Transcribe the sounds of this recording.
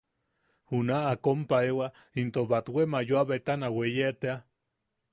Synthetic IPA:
hunaːkompaewa | int̪oβat̪wemajuaβet̪anawejeʔt̪ea

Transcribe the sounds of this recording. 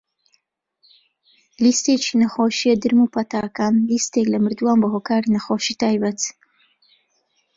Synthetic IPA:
list̪eːt͡ʃinɐxoːʃijɛd̪ɨɾmupʰɐt̪aːkaːnlist̪eklɐmɨɾd̪uwaːnbɐɦoːkaːɾinɐxoːʃiːt̪ʰaːjbɐt̪

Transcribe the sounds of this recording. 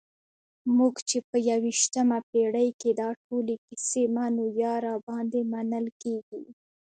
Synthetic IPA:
muɡt͡ʃepəjawiʃt̪əmapeɽəjked̪ɑʈolekisemanojɑɾɑbɑnd̪emanəlkeɡi

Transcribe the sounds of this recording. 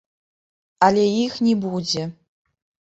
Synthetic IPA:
alʲeixnʲibud͡zʲe

